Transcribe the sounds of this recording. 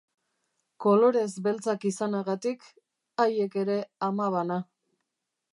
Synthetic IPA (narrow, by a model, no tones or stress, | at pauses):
ko̞lo̞ɾe̞zbe̞lt͡sakisanaɣat̪ik | aje̞ke̞ɾe̞amaβ̞ana